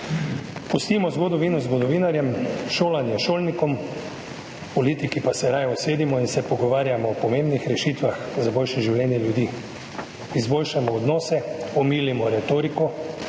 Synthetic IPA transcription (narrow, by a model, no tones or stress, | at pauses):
pɔst̪imɔzɡod̪ɔʋinɔzɡɔd̪ɔʋiːnaɾjɛmʃoːlanjɛʃoːlnikɔm | pɔliːt̪ikipasɛɾajɔsʋeːd̪imɔinsɛpɔɡɔʋaːɾjamɔːpɔmembnixɾɛʃiːt̪ʋaxzabojʃɛʒiwlʲɛːnjɛljud̪iː | izboːlʃamɔːd̪nɔːsɛɔmiːlimɔɾɛt̪oːɾikɔ